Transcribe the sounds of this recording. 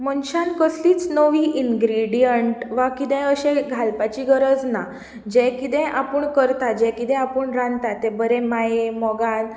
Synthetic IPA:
mənɕankəsliːt͡snəʋiːʔinɡɾiɽijəɳʈʋakid̪ɛ̃əɕẽɡʱalpat͡ɕiɡəɾəd͡zna | d͡ʑɛ̃kid̪ɛ̃ʔapəɳkəɾt̪ad͡ʑɛ̃kid̪ɛ̃apəɳɾãnt̪at̪ebəɾẽmajemɔɡan

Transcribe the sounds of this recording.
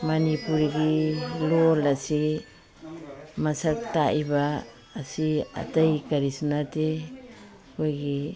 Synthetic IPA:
manipuɾiɡilolasi | masaktaʔibaː | sia̰tajkaɾisunate | kojɡi

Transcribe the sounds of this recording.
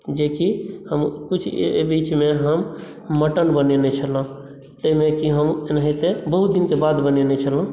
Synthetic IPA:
d͡ʒekihəmkut͡ʃʰbit͡ʃmeɦəmː | əʈənbənenɛt͡ʃʰələ̃ | t̪əimekiɦəmnəɦit̪ebəɦut̪̚d̪inkebad̪bənenɛt͡ʃʰələ̃

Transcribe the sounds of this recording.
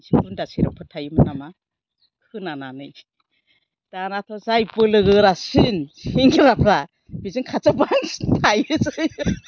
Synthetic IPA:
sipundasiɾapʰɯtʰajɯmɯnama | kʰɯnananɯj | d̥anatʰɔzajpɯlɯɡɯɾasɯnhiŋɡɯɾapʰɾa | b̥izɯŋkʰat͡sabaŋstajɯzɯj

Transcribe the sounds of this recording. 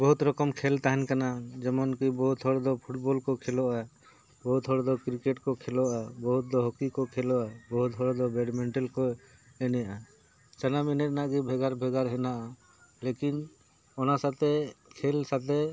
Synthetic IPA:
bɔɦut̪ɾɔkɔmkʰɛlt̪aɦɛnkanad͡ʒɛmɔnkibɔɦut̪ɦɔɽd̪ɔpʰuʈbɔlkɔkʰɛlɔʔa | bɔɦut̪ɦɔɽd̪ɔkɾikeʈkɔkʰɛlɔabɔɦut̪̚d̪ɔɦɔkikɔkʰɛlɔabɔɦut̪ɦɔɽd̪ɔbɛɖmɛɳʈɛlkɔ | ɛnɛjaʔa | t͡ʃanaminɛt̪̚naʔɡibʱɛɡaɾbʱɛɡaɾɦɛnaʔa | lekin | ɔnasat̪ɛkʰɛlsat̪ɛ

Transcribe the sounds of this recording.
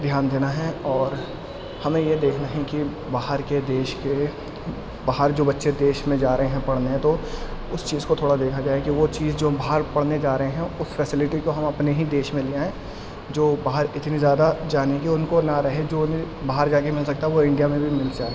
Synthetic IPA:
d̪ʱjaːnd̪eːnaɦɛɔːɾ | hɐmẽjed̪eːkʰnaɦɛ̃ki | baːɦəɾked̪eːʃke | baːɦəɾd͡ʒoːbɐtːʃed̪eːʃmẽd͡ʒaːɾəɦẽɦɛ̃pɐɽ̤neɛ̃t̪oʊst͡ʃiːzkot̪ʰoːɽad̪eːkʰad͡ʒaːekiʋot͡ʃiːzd͡ʒoːbaːɦəɾpɐɽ̤ned͡ʒaːɾəɦẽɦɛ̃ʊsfɛsɪlɪʈikoɦɐmɐpneɦid̪eːʃmẽliaɦɛ̃ | d͡ʒoːbaːɦəɾɪt̪nizjaːd̪ad͡ʒaːnikiʊnkonaɾɐɦed͡ʒoːn | baːɦəɾd͡ʒaːkemɪlsɐk̚t̪aɦɛʋoɪ̃ɳɖijamẽbʱimɪlsa

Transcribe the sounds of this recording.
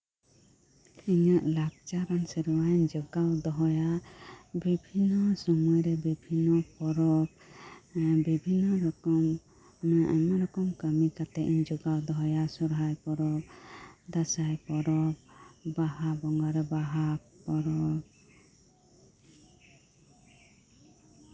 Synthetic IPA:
iɲaʔlak̚t͡ʃaɾansɛɾuwaɲd͡ʒɔɡawd̪ɔɦɔja | bibʱinːɔsɔmujɾɛbibʱinːɔpɔɾɔb̚ | bibʱinːɔɾɔkɔm | ʔɛmɔɾɔkɔmkəmikat̪ɛʔiɲd͡ʒɔɡawd̪ɔɦɔjasɔɾɦajpɔɾɔb̚d̪asajpɔɾɔb̚baɦabɔŋɡaɾɛbaɦapɔɾɔb

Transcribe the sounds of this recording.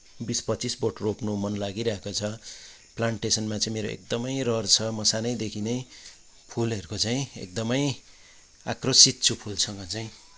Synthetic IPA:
bispʌtt͡sisboʈroknomʌnlaɡiɾʌɦekot͡sʰʌ | plaɳʈesʌnmat͡saĩmeɾoḛk̚d̪ʌmʌjrʌrt͡sʰʌmʌsanʌjd̪ekʰinʌj | pʰulʌɾkot͡saĩḛk̚d̪ʌmʌj | a̰krʌsit̪̚t͡sʰupʰulsʰʌŋɡʌt͡saĩ

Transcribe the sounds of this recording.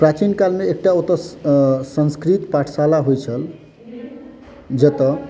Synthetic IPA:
pɾat͡ʃinkalmeːk̚ʈaot̪ə | sənskɾit̪paʈʰsalaɦojt͡ʃʰəl | d͡ʒʌt̪ʌ

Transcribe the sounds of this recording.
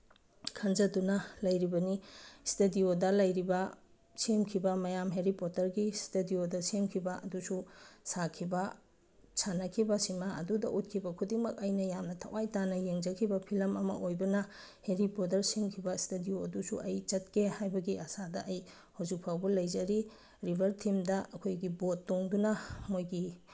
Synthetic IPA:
kʰɐnzɐdunɐlɐjɾibɐnistediodɐlɐjɾibɐ | semkʰibɐmɐjamɦeɾipotɐɾɡistediodɐsemkʰibɐɐdususakʰibɐ | sʰanɐkʰibɐsimaɐ̰dudɐ̰ʔut̚kʰibɐkʰudiŋmɐkɐjnɐjamnɐtʰɐ̰wajtanɐjeŋd͡ʒɐkʰibɐpʰilɐmɐmɐ̰ʔojbɐnɐ | heɾipotɐɾsemkʰibɐstedioɐdusṵʔɐjt͡ʃɐt̚kehajbɐɡiʔɐsadɐʔɐj | howzik̚pʰawbɐlɐjzɐɾi | ɾibʱɐɾtʰimdɐɐkʰojɡibotːoŋdunɐmojɡi

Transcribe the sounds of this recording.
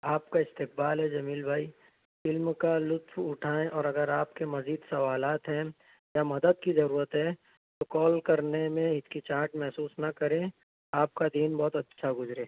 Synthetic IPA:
aːpkaɪst̪ɪq̚baːlɦɛd͡ʒɐmiːlbʱaːi | fɪlmkalʊt̪wʊʈʰaːẽʔɔːɾɐɡəɾaːp̚kemɐziːd̪sɐʋaːlaːt̪ɦɛ̃ | jamɐd̪əd̪̚kizɐɾuːɾət̪ɦɛ | t̪okɔːlkɐɾnemẽɪt̪kit͡ʃaːʈmɛɦsuːsnɐkɐɾẽ | aːp̚kad̪iːnbɔːt̪ɐtːʃʰaɡʊzɾẽː

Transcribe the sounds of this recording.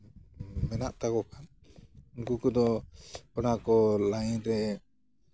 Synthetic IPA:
mɛnaʔt̪akɔkʰaniŋkukɔd̪ɔpɔnakɔlajɾɛ

